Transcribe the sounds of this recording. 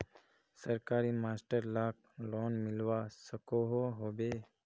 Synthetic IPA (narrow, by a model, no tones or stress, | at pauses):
səɾkaːɾiːmaːsʈəɾlaːk | lɔːnmɪlwaːsəkoɦoɦoːbeː